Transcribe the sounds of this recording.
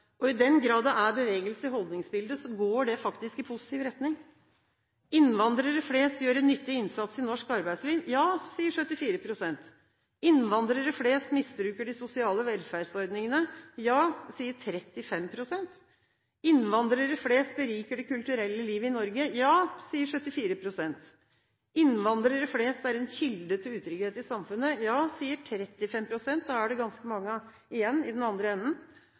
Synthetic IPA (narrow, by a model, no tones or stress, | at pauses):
ɔɪd̪ɛnɡɾɑːd̪ɑæɾbəʋeːɡəlsəɦɔlˠd̪nɪŋsbɪld̪əsɔɡoːɖɛfɑkt̪ɪskɪpʰʊsɪt̪iːʋɾɛt̪nɪŋ | ɪnʋɑnd̪ɾəɾəfleːst̪jøːɾɛnːʏt̪ːɪɪnsɑt̪sɪnɔʂkɑɾbæɪd̪slɪnjjɑːsiːəʂœt̪ːɪfiːɾəpʰɾʊsɛnt̪ | ɪnʋɑnd̪ɾəɾəfleːst̪mɪsbɾʉːkəɖɪsʊsɪɑːləʋɛlfæɖsɔɾd̪nɪŋənəjɑːsiːəʈʰɾɛt̪ːɪfɛmpʰɾʊsɛnt̪ | ɪnʋɑnd̪ɾəɾəfleːst̪̚bəɾiːkəɖɛkʉlt̪ʉɾɛlːəliːʋəɪnɔɾɡəjɑːsiːəʂœt̪ːɪfiːɾəpʰɾʊsɛnt̪ | ɪnʋɑnd̪ɾəɾəfleːst̪æɾɛnçɪld̪ət̪ʰɪlʉːt̪ʰɾʏɡheːt̪ɪsɑmfʉnːəjɑːsiːəʈʰɾɛt̪ːɪfɛmpʰɾʊsɛnt̪̚d̪ɑːæɖɛɡɑnskəmɑŋːə | ɪjɛnːɪd̪ɛnɑnd̪ɾəɛnːən